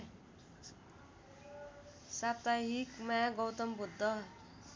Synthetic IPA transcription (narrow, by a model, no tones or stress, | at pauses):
sap̚t̪aɦikmaɡʌwt̪ʌmbud̪ʱːʌ